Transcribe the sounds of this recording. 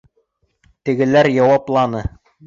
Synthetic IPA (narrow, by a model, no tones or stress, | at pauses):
t̪ɘ̆ɡɘ̆læɾjɑwɑplˠɑnɤ